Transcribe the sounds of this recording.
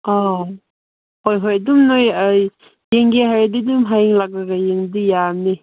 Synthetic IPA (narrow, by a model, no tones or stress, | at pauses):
ɔ | hojɦojadumnoj | jeŋɡeɦaɾadidumɦajiŋlak̚ɾaɡajeŋdijamni